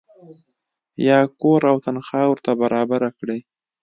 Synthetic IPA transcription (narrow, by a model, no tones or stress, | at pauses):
jɑkoɾawt̪anxɑwɾt̪abaɾɑbaɾakɽəj